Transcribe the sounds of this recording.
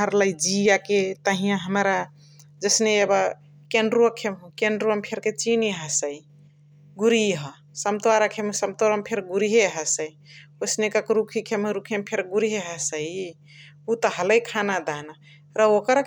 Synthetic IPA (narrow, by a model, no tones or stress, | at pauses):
əɾləjd͡ʒijaket̪əɦijãɦəmɾa | d͡ʒəsneeba | kenɖɾuəkʰemkeɳɖɾuəmpʰeɾket͡ʃiniɦəsəi | ɡuɾiɦə | səmt̪aɾakʰemsəmt̪oɾampʰeɾɡuɾiɦeɦəsəi | osnekəkɾukʰikʰemɾukʰempʰeɾɡuɾiɦeɦəsəj | ut̪ɔɦələjkʰanad̪ana | ɾəokɾ